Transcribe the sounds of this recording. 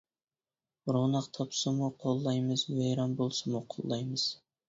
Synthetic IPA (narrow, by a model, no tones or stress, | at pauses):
ɾonɑqt̪ʰɑpsɨmuqʰolˠːɑjmɨzmejɾɑnbolˠsɨmuqʰo̰lˠːɑjmɨz̥